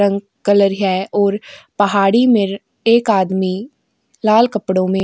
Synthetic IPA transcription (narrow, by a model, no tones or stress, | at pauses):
ə̃ŋɡ | kələɾɦɛʔɔːɾpɐɦaːɽimɪɾ | eːkaːd̪mi | laːlkɐpɽõmẽ